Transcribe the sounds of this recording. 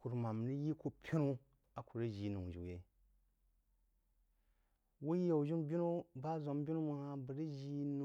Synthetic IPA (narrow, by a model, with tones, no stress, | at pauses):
ku˨ɾma˨m˨ni˦ji˦ko˦pʰʲi˦nu˦ | a˨ku˨ɾi˦ʒi˨˦nu˨ʒḭ˨je˨ | wu˦ji˦je˨u˨ʒi˦mbʲi˦nu˦ba˦zo˨m˦bʲi˦nu˦ma˨ha˦bɨ˨ɾi˦ʒi˨˦nu˨